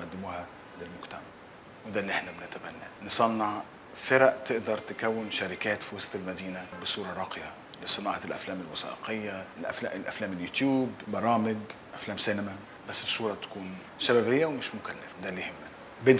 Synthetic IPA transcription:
ʔæd̪ːɪmuːhæ | lɪlmʊkt̪æmæ | wed̪æːlːiʔeħnæbenæt̪æbænːæ̰ːnesˤɑnːɑʕ | feɾæʔt̪eʔd̪ɑɾˤt̪ɪkæwːɪnʃæɾɪkæːt̪fiwɑsˤt̪ɪlmæd̪iːnæbɪsˤuːɾˤɑɾˤɑːqjɑ | lɪsˤɨnɑːʕɑlʔæ̰flæːmɪlwɑsɑ̰ːʔḛqejːælʔæ̰fæ̰ʔlʔæ̰flæːmeljuːt̪juːbbɑɾˤɑːmɪɡ | ʔæflæːmsænæmæ | bæsːɪʃuːɾˤɑt̪æ̥kuːn | ʃæbæbejːæwemɪʃmʊkælːæ̰fd̪ælːihɪmːæ | be

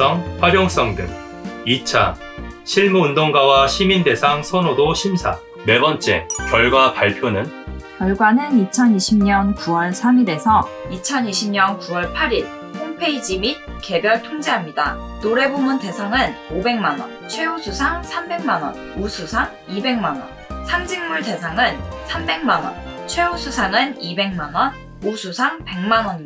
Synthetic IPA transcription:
ʌŋɸwaɾjʌŋs͈ʌŋdɯ̰ŋ | it͡ɕʰa | ɕʰiɭmuːndoŋɡawaɕʰiminde̞sʰaŋsʰʌnodoɕʰimsʰa̰ | me̞bʌnt͡ɕ͈e̞kjʌɭɡwapaɭpʰjonɯnkjʌɭɡwanɯnit͡ɕʰʌniɕʰimɲʌnkuwʌɭsʰamide̞sʰʌ | it͡ɕʰʌniɕʰimɲʌnkuwʌɭpʰaɾiɭ | hoŋpʰe̞id͡ʑimit̚ke̞bjʌɭtʰoŋd͡ʑeɦamɲida̰ | noɾe̞bomunte̞sʰaŋɯnobe̞ŋmanwʌ̰nt͡ɕʰwe̞osʰusʰaŋsʰambe̞ŋmanwʌ̰n | usʰusʰaŋ | ibe̞ŋmanwʌ̰n | sʰamd͡ʑiŋmuɭte̞sʰaŋɯnsʰambe̞ŋmanwʌ̰nt͡ɕʰwe̞osʰusʰaŋɯnibe̞ŋmanwʌn | usʰusʰaŋpe̞ŋmanwʌɲi

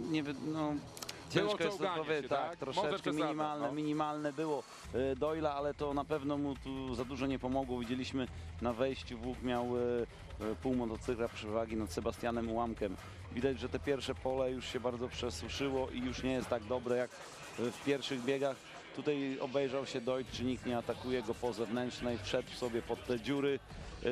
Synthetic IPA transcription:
ɲɛvnɔ | t͡ɕɛ̃w̃ʂkɔɛst̪ɔpɔvvjt̪ak̚t̪ɾɔʂɛkkmiɲimalnɛmʲiɲimalnɛbɘwɔ | d̪ɔilaalɛt̪ɔnapɛvnɔmut̪uzad̪uʐɔɲɛpɔmɔɡwɔvʲid͡ʑelʲiɕmɘnavɛjɕt͡ɕvwukmʲjaw | puwmɔt̪ɔt̪sɘkɾapʂɨvaɡʲinat̪sɛbast̪janɛmiwamkɛm | vʲid̪ad͡ʑʐɛt̪ɛpʲjɛɾfʂɛpɔlɛjuʂɕɛbaɾd̪zɔpʂɛswuʂɘwɔʔijuʂɲɛjɛst̪ːaɡ̚d̪ɔbɾɛjak | fpʲjɛɾfʂɘɣbʲjɛɡax | t̪ut̪ajɔ̰bɛjʐawɕɛd̪ɔjt͡ʂɘɲikt̪ɲɛat̪akujɛɡɔpɔzɛvnɛntt͡ʂnɛjfʂɛt̪fsɔbʲjɛpɔt̪ːɛd͡ʑuɾɘ

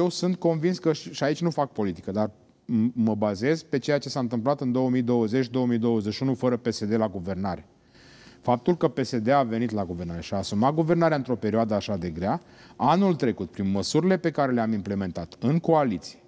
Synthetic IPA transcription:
jewsunt̪̚ko̞nvinskəʃʃiait͡ʃʲnufak̚po̞lit̪i̥kəd̪ar | məbaze̞zpe̞t͡ʃe̞jat͡ʃe̞saɨnt̪ɨmp̬lat̪ɨnd̪o̞wəmijd̪o̞wəze̞t͡ʃd̪o̞wəmijd̪o̞wəzeʃiunufəɾəpe̞se̞d̪e̞laɡuve̞rnaɾe̞ | fap̚t̪ulkəpe̞se̞d̪e̞ave̞nit̪laɡuvernaɾe̞ʃiaːsumat̪̚ɡuve̞rnaɾeaɨnt̪ɾo̞pe̞ɾioad̪əaʃad̪e̞ɡɾea | anult̪ɾe̞kut̪̚pɾinməsuɾile̞pe̞kaɾe̞leamimple̞me̞nt̪at̪ɨŋko̞alit̪si̥je

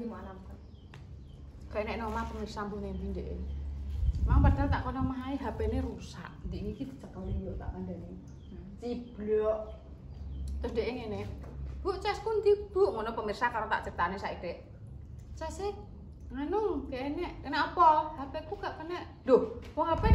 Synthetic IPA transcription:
dimalamkan | ɡ̥aʔnɛʔnɔmapəmirsampunempindeʔḛ | maŋpərt̪alt̪aʔkonɔmaɦaiɦapenerusa̰ʔnt̪iʔnikid̪i̤̥t͡ʃəkəlilɔʔt̪a̰ʔkandani | t̪ib̥lɔʔ | t̪ʊsndeʔeŋenɛb̥uʔt͡ʃɛskunt̪ib̥uʔŋɔnɔpəmirsakaɾot̪a̰ʔt͡ʃək̚t̪anesaʔitɛʔ | t͡ʃɛse | ŋənʊŋkeʔenɛʔkənɛʔɔpɔhapekuɡaʔkənɛʔ | dohwɔɦape

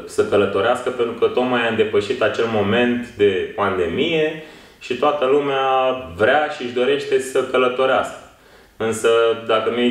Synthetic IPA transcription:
səkələt̪o̞ɾeaskəpe̞nt̪ɾukət̪o̞t̪majaɨnd̪e̞pəʃit̪at͡ʃe̞lmo̞me̞nt̪d̪e̞pand̪e̞mije̞ | ʃit̪oat̪əlumeavɾeaʃiɨʃd̪o̞ɾe̞ʃt̪e̞səkələt̪o̞ɾeaskə̥ | ɨnsəd̪akənu

